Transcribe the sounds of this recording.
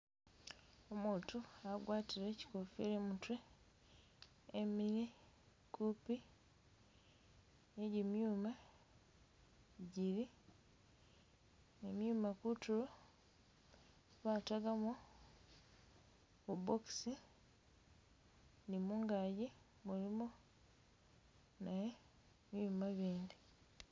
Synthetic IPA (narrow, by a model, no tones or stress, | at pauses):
omuːtuaɡwaːtiɾeci̥kofiɾemutwe | miɾi | kupi | eɟimjuːma | ɟiɾi | emjuːmakutulo | βataɡamo | uboksi | nimuŋɡaji | mulimo | naje | mjumaβiːndi